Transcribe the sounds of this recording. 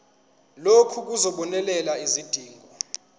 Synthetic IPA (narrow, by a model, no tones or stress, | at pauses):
lokʰuk̬uzɔɓɔnɛlɛlaizid̥ʱiːŋɡʱɔ